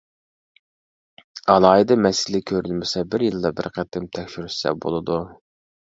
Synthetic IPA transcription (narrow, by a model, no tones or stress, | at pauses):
ɑlˠɑːɦid̪ɨmɛsɪlɪkʲʰøɾylmɪsɛbɪɾjɨlˠd̪ɑbɪɾqʰɛt̪ʰːɪmt̪ʰɛkʲʃyɾyssɛ̰bo̰lˠɨd̪u